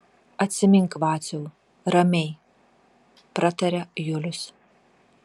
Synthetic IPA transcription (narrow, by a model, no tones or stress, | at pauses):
ɐt̪ʲsʲɪmʲɪŋkʋɑːt̪sʲɛl | ɾɐmʲɛɪ | pɾɐt̪ɐɾʲɛjʊlʲʊs